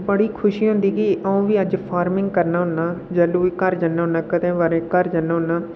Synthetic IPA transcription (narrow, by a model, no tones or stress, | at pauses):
bəɽiːkʰʊʃiːɦʊ̃nd̪iːɡiːʔəũːʋiːəd͡ʒpʰaːɾmɪ̃ŋɡkəɾnaːɦʊnːaːd͡ʒɛːluːiːkəɾd͡ʒənːaːɦʊ̃nːãːkət̪ẽːʋaːɾẽːkəɾd͡ʒənːãːɦʊnːaː